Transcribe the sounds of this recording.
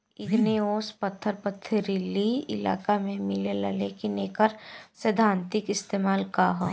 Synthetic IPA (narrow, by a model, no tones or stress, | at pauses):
ɪɡneoːspɐt̪ʰːəɾpət̪ʰːəɾilːiɪla̰ːkamẽmɪlelɐlekineːkəɾsed̪ʱãːnt̪ɪkɪst̪eːmaːlkaɦo̰